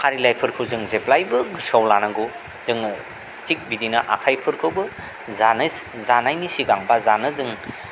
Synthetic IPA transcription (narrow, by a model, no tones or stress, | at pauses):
haɾilajpʰɯɾkʰɯwzɯŋzeplajbɯɡɯɾsawlanaɡu | zɯŋ | tik̚bidinɐʔa̰kʰajpʰɯɾkʰɯwbɯ | zanzanajnisiɡaŋbazanɯzɯŋ